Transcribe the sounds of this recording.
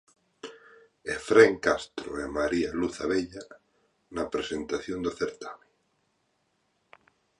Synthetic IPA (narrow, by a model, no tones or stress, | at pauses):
efɾeŋkast̪ɾo̰emaɾialuθaβeʎa | napɾesent̪aθjõnd̪oθeɾt̪ame